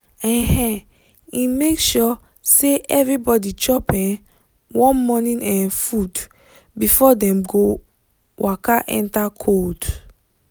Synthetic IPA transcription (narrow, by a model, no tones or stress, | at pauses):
ɛ̃hɛ̃ | imekʃɔ | seʔɛvɹibɔdit͡ʃɔpɛ̃n | wɔ̃nmɔnĩnʔɛ̃nfud | bifɔdɛ̃mɡo | wʔakaʔɛ̰̃ntakʰod